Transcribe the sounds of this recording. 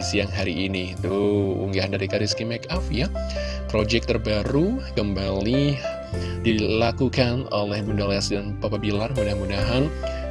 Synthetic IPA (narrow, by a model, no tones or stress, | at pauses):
isijaŋɦaɾiːnit̪uṵŋɡaɦandaɾikaɾiskimɛkafja | pɾod͡ʒɛk̚t̪ərbaɾukəmbali | dilakukanolɛhbundalɛsdanpapabilarmunahmunaɦan